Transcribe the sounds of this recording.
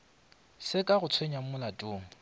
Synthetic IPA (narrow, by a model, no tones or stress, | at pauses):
sɪkʼaɣʊt͡sʰweɲamʊlatʼʊːŋ̩